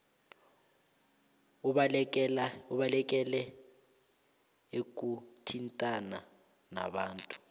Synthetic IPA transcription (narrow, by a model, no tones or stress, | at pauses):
uɓalɛk̬ʼɛlɛ | ek̬utʰintʼana | na̰ɓaːntʼu̥